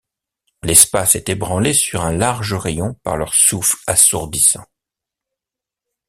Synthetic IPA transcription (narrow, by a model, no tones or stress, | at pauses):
lɛspasɛt̪ebʁɑ̃lesyʁɛ̃laʁʒəʁejɔ̃pa̰ʁlœʁsufasṵʁd̪isɑ̰̃